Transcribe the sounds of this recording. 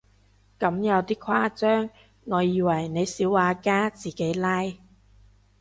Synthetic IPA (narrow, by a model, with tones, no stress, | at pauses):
kɐ˨˥mjɐ˨˧wt̪iː˥kʰwaː˥t͡sœː˥ŋː | ɔː˨˧jiː˨˧wɐ˨˩jne˨˧jsiː˨˥waː˨˧kaː˥t͡siː˨˩ke˨˥jlaː˥j